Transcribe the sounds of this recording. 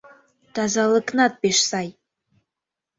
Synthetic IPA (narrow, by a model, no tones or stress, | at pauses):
t̪ɑzɑlˠɨknɑt̪̚beʃsɑj